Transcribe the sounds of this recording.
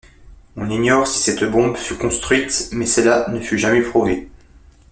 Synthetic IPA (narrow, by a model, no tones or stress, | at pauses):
ɔ̃niɲjɔʁsi̥sɛt̪bɔ̃bfykɔ̃st̪χɥit̪mɛsɛlanəfyʒamɛpχuve